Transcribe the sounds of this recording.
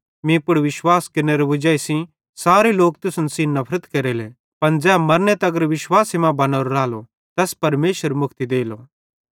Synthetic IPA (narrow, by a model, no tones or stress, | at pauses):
mĩpʊɽʋɪʃwaːskɪnːeɾobʊd͡ʒaːisĩ | saːɾeloːkt̪ʊsənsĩnɐpʰɾət̪keɾele | pɐnd͡zɛːmɐɾnet̪ɛɐɡəɾʋɪʃwaːsimãbɐnaːɾoɾaːlo | t̪ɛːspɐɾmeːʃwəɾmʊkʰt̪id̪eːlo